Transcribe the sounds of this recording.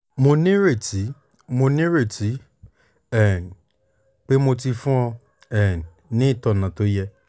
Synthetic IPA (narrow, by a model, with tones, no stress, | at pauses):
mõ˧nĩ˦ɾe˦˨ti˨˦ | mõ˧nĩ˦ɾe˨ti˨˦ | ɛ˨n | k͡pe˦mo˧ti˧fũ˦ɔ˧ | ɛ˨n | nɪ̃˦˨tɔ˨nã˨to˨˦jɛ˧